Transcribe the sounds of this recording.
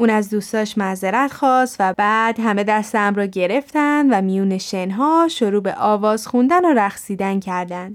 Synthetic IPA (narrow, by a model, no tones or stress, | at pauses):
uːnæzd̪uːst̪ɒːʃmæzeɾæt̪xɒːst̪væbæːd̪ɦæme̞d̪æst̪eæmɾɒːɟe̞ɾe̞ft̪ænd̪væmijuːneʃenɦɒːʃoɾuːbeʔɒːvɒːz̥xund̪ænoɾæxsiːd̪æncʰæɾd̪ænd̪̥